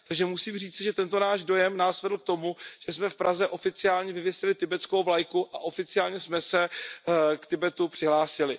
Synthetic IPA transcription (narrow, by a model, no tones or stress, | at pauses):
t̪aɡʒɛmusiːmr̝iːt͡sɪʒɛt̪ɛnt̪onaːʒdo̞jɛmnaːsvɛd̪l̩k̚t̪o̞muʒ̥ɛsmɛfpɾazɛʔo̞fɪt͡sɪaːlɲɛvɪvjɛsɪlɪt̪ɪbɛt͡skowvlajkuʔaʔo̞fɪt͡sɪaːlɲɛsmɛsɛ | kt̪ɪbɛt̪upr̥ɪɦlaːsɪlɪ